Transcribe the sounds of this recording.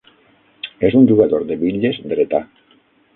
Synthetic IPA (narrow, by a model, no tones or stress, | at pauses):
ezuɲʲʒuɣaðoɾðeβiʎezd̪ɾet̪a